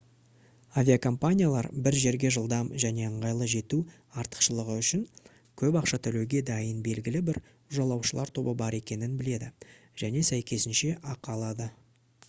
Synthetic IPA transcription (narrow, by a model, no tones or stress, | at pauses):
avʲijakʰo̞mpanʲijalˠɑ̰ɾbɪɾʒe̞ɾɡʲe̞ʒəlˠd̪ɑmʒæne̞əɴʁɑjlˠəʒe̞t̪u | ɑɾt̪ə̥qʃəlˠəʁəʏʃɪŋ | kʲʰɵpɑqʃɑt̪ʰʏleɡʲe̞d̪ɑjənbe̞lɡʲɪlɪbɪɾ | ʊʒɑlˠɑwʃəlˠɑɾt̪ʰo̞bəbɑɾe̞kʲe̞nɪnbɪle̞d̪ɪʒ̥æne̞sæjkʲʰe̞sɪnʃe̞ʔɑqɑlˠɑd̪ə